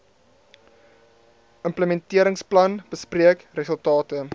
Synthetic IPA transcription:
ʔəmpləmɛntiəɾəŋsplɐnb̥əspriəkrəsəlˠtɑːtə

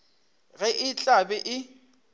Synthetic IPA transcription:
ɣɛʔɪt͡ɬʼabɪʔɪ

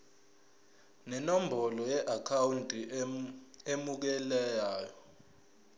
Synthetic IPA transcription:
nɛnombʱɔlɔjɛʔakʰawuntʼi | emuk̬ɛlɛjaːjɔ

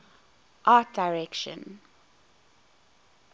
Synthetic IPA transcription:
ʔaːˑt̚d̥aɪɹɛkʃə̰̃n

